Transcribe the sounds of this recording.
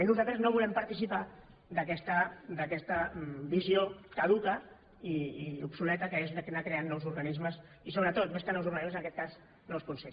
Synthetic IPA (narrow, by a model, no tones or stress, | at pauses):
nuzalt̪ɾəznoβulɛmpəɾt̪isipa | ðəkɛst̪əd̪əkɛst̪əbiziokað̞ukə | iiupsulɛt̪əkəezðəknakɾeanːɔwzuɾɣanizməs | is̬oβɾət̪ot̪meskənɔwzuɾɣɐnizmzənəkɛt̪̚kaz | nɔwskunse